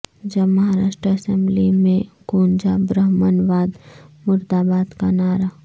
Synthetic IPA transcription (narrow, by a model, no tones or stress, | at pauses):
d͡ʒɐmɐɦaɾaːʃʈɾəɐsɛ̃mblimẽɡ̥oːnd͡ʒabɾəɦmənʋaːd̪mʊɾd̪aːbaːd̪kanaːɾa